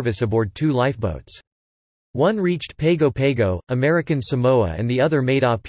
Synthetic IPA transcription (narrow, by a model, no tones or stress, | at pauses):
vɨsɨbɔɹd̚tʰʉlaɪfb̥oʊts | wʌ̃nɹit͡ʃtpʰeɪɡoʊpʰeɪɡoʊəmɛɹɨkɨ̃nsɨmoʊə̰ɨ̰̃nðiʌðə˞meɪɾɔ